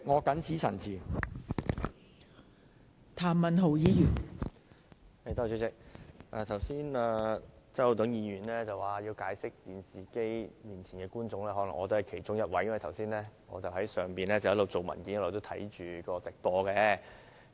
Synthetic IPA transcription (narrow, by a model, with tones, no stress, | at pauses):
ŋɔː˨˧kɐ˨˥nt͡sʰiː˨˥sʰɐ˨˩nt͡sʰiː˨˩ | t̪ʰaː˨˩mmɐ˨nɦo˨˩wjiː˨˧jyː˨˩n | he˧t̪ɔː˥˧t͡ʃyː˧t͡sɪ˨˥k̚ʔaː˨˧t̪ʰɐ˨˩wsiː˥naː˧t͡sɐ˥wt̪ʊ˨˥ŋjiː˨˧jyː˨˩nlɛː˥t͡sɐ˨waː˨˩ji˧wkaː˨˥jsɪ˥k̚t̪iː˨nsiː˨ke˥jmiː˨˩nt͡sʰiː˨˩nkɛː˧kuː˥nt͡sʊ˨˧ŋlɛː˥ɦɔː˨˥lɐ˨˩ŋɔː˨˧t̪o˥hɐ˨jkʰe˨˩jt͡ʃʊ˥ŋjɐ˥t̚wɐ˨˥jɐ˥nwɐ˨jt̪ʰɐ˨˩wsiː˥nlɛː˥ŋɔ̰ː˨˧t͡sɐ˨wɦɐ˨˥jsœː˨˩ŋpiː˨nlɛː˥t͡sɐ˨jɐ˥tlo˨wt͡so˨wmɐ̰˨˩nki˨˥njɐ˥lo˨wt̪o˥wt̪ʰɐ˨˥jt͡ʃyː˨kɔː˧t͡sɪ˨k̚tɔː˧kɛ˧